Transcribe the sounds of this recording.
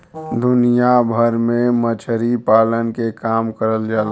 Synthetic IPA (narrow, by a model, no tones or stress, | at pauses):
d̪ʊnijabʱəɾmẽmət͡ʃʰəɾipaːlənkekaːmkəɾəld͡ʒaːl